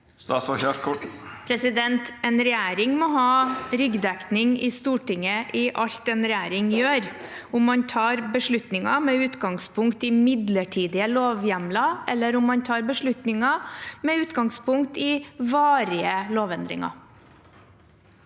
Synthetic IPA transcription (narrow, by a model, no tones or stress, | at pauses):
sɑsɔheːt̪kʰʊpʰɾɛsɪd̪ɛnt̪ɛnɾɛjæːɾɪŋmɔɦɑːɾʏɡd̪ɛknɪŋɪst̪uːʈɪŋːəʔɪʔɑʎt̪ɛnɾɛjæːɾɪŋjøːɾʊmːɑnt̪ʰɑːɾbəʂɭʉt̪nɪŋɑmɛʉːt̪ɡɑŋspʰʊŋkt̪ɪmɪd̪ləʈʰiːd̪ɪəloːʋjæmlɑʔɛlːəɾʊmːɑnt̪ʰɑːɾbəʂɭʉt̪nɪŋɑmɛʉːt̪ɡɑŋspʊŋkt̪ɪʋɑːɾɪəloːʋɛnd̪ɾɪ̰ŋɑ̰